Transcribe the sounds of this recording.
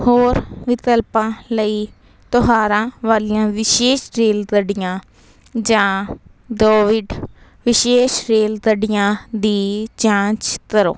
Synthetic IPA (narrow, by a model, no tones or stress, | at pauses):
hoːɾʋɪt̪əlpãːləiː | t̪ʊɦaːɾãːʋaːliːãːʋɪʃeːʃɾeːld̪əɖɪjãː | d͡ʒãː | d̪oːʋɪɖ | ʋɪʃeːʃɾeːld̪əɖɪjãːd̪iːt͡ʃãːt͡ʃkəɾo̰ː